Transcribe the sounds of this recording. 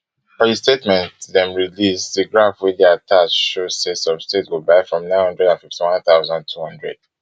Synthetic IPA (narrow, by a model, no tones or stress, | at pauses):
fɔistetmɛ̃ntðɛ̃mɹilisdiɡɹãfwɛdɛatʰat͡ʃʃosɛsɔv̥stetwilbaɪfɹɔ̃mnãɪnhʌ̃ndɹɛdãnfiftiwãnθaʊzãndtʰuhʌ̃ndɹɛ̰d̥